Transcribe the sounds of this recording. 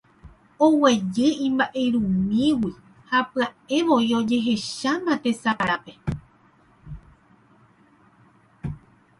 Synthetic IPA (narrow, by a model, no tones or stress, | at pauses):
o̞we̞d͡ʒɨĩmbaʔe̞ɾũmĩwi | hapɨae̞ʋo̞io̞d͡ʒe̞ɦe̞ʃamãt̪e̞saɾape̞